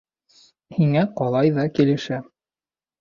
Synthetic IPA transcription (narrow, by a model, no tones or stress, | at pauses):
hiŋæqɒlˠɑjðɑkilɘ̆ʃæ